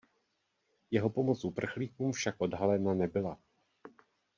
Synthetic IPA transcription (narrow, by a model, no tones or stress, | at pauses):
jɛɦo̞po̞mo̞t͡sʔupr̩xliːkuːmfʃakʔo̞dɦalɛnanɛbɪla